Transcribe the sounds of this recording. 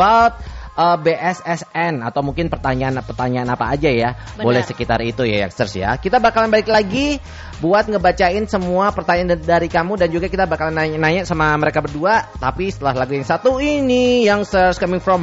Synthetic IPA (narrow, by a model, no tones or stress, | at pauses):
alt̪̚əbeʔɛsɛsɛnat̪awmuŋkɪnpərt̪aɲanpərt̪aɲaanapaːd͡ʒaja | bolɛhsəkit̪a̰ɾit̪uja̰ja̰ŋst̪ərsja̰kit̪abakalanbalɪklaɡi | buat̪̚ŋəbat͡ʃaɪnsəmuapərt̪aɲandaɾikamudand͡ʒuɡakit̪abakalananaɲaʔsamaməɾekabərduat̪apisə̥t̪əlaɦlaɡujaŋsat̪uinijaŋsərskamɪŋfɾɔm